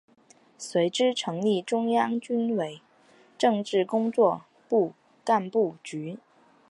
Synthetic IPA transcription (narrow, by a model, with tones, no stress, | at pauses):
swe˧˥ɪʈ͡ʂɻ̩˥ʈ͡ʂʰɤ˧˥ŋli˥˩ʈ͡ʂʊ˥ŋjɑ˥ŋt͡ɕy˥nwe˧˥ɪ | ʈ͡ʂɤ˥˧ŋʈ͡ʂɻ̩˥˩kʊ˥ŋt͡swɔ˥˧ | pu˥˧ | ka˥˧npu˥˩t͡ɕy˧˥